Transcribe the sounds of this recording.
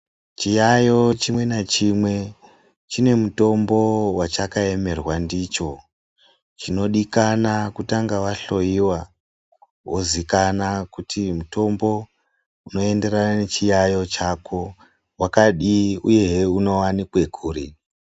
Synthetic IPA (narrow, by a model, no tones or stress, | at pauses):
t͡ʃijajo̞t͡ʃimwe̞nat͡ʃimwe̞ | t͡ʃine̞muto̞mbo̞wat͡ʃakae̞me̞rwandit͡ʃo̞ | t͡ʃino̞ɗikanakutaŋɡaʋaɬo̞jiwa | wʔozikanakutʰimuto̞mbo̞ | uno̞e̞nde̞ɾanane̞t͡ʃijajo̞t͡ʃakʰo̞ | wakaɗiuje̞uno̞wanikwe̞ɡʱuːɾi